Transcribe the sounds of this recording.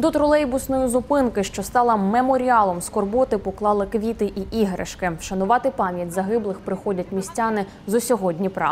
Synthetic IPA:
d̪ɔt̪ɾɔlˠɛjbʊsnɔjizʊpɪnkɪʃt͡ʃɔst̪ɑlˠɐmemɔɾʲiɑlˠɔmskɔrbɔt̪ɪpɔklˠɑlˠɪkʋʲit̪ɪʔiʔiɦɾɪ̰ʃkɪʃɐnʊʋɑt̪ɪpɑmʲjɐtʲzɐɦɪblˠɪxpɾɪxɔdʲɐt̚ʲmʲisʲtʲɑnɪ | zʊsʲɔɦɔdʲnʲipɾɑ̰

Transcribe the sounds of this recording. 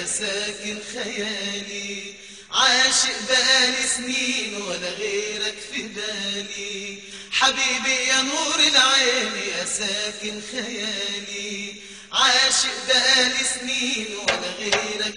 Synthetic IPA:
asaːkɪnxajaːli | ʕaːʃɪʔbaʔaːlisniːnwalːaɣeːɾakfibaːli | ħabiːbijanuːɾɪlʕeːmiʔasaːkɪnxajaæːli | ʕaːʃɪʔbaʔaːlisniːnwalːaɣeːɾak̚

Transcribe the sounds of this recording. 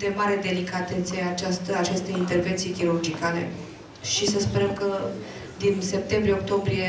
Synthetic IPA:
d̪e̞maɾe̞d̪e̞likat̪ent̪sieat͡ʃast̪əat͡ʃest̪e̞int̪e̞rve̞nt̪sijekʲiɾurd͡ʒikale̞̰ | ʃisəspe̞ɾəmkə | d̪inse̞p̚t̪e̞mbɾijeok̚t̪o̞mbɾije̞

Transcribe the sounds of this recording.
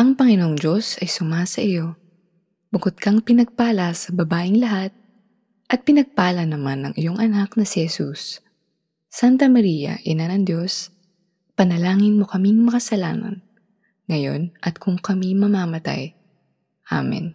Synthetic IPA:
ʔɐŋpɐŋɪno̞ŋd͡ʒo̞sɐjsʊmasɐʔɪjo̞ | bʊkod̪̚kɐŋpɪnɐɡ̚paːlɐsɐbɐbaːʔɪŋlɐɦat̪̚ | ʔɐt̪̚pɪnɐɡ̚paːlɐnɐmanːɐ̰ŋʔɪjo̞ŋʔɐnaknɐsɪhɛsusː | ant̪ɐmɐɾiːjɐ̰ʔɪnanɐŋd̪jo̞s | pɐnɐlaːŋɪnmo̞kɐmiŋmɐkɐsɐla̰ːnɐ̰n | ŋɐjo̞̰nʔɐt̪̚kʰʊŋkɐmimɐmaːmɐt̪a̰j | ʔa̰mɛ̰n

